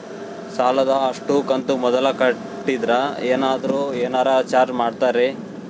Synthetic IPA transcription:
saːlɐd̪ɐːʂʈukɐnt̪umɔd̪ɐlɐkɐ | ʈːid̪ɾɐeːnaːd̪ɐɾuːeːnaːɾat͡ʃaːɾd͡ʒmaːɖt̪aːɾe

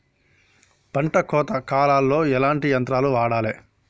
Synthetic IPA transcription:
pɐɳʈɐkɔːt̪ɐkaːlaːlːo̞ːɛlaːɳʈijɐnt̪ɾaːluʋaːɽaːleː

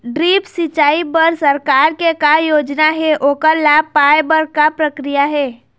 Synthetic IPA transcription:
ɖɾiːpsɪt͡ʃaːipəɾsəɾkaːɾkekajoːd͡ʒnaɦɛʔoːkəɾlaːb̚paːebəɾkapɾəkɾijaɦɛː

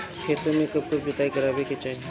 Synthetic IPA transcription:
kʰeːt̪əmẽkɐb̚kʊbd͡ʒʊt̪aːikɐɾaːbeket͡ʃaːe

